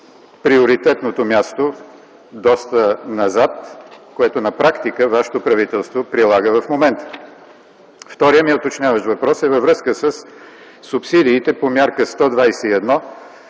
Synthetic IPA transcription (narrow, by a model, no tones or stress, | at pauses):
pɾioɾit̪ɛt̪not̪omʲjast̪o | d̪ɔst̪ənɐzat̪koɛt̪ʊnɐpɾakt̪ikəvaʃɛ̥t̪opɾɐvit̪ɛlˠst̪vopɾilˠaɡəvɐfmomɛnt̪ə̥ | ft̪ɔɾijəmiɛot̪ot͡ʃnʲjavəʃvɐpɾɔsɛvɐvɾɤskəsəsː | upsid̪iːt̪ɛpomʲjaɾkəst̪ɔd̪vajsɛiɛd̪nɔ